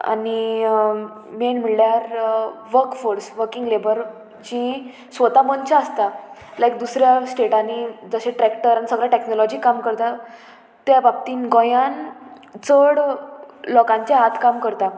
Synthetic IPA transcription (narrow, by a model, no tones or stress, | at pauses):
a̰ni | menmiɭljaɾʋəɾkfoɾsʋəɾkiŋɡlebəɾ | t͡ɕĩ | sʋət̪amənt͡ɕaəst̪alajkd̪usɾjasʈeʈanid͡zəɕẽʈɾɛkʈəɾanisəɡɭaʈeknɔlɔd͡ʑiːkamkəɾt̪a | t̪jabab̚t̪iːnɡɔ̃jãn | t͡səɽ | lɔkãɲt͡ɕjaat̪ʰkamkəɾt̪a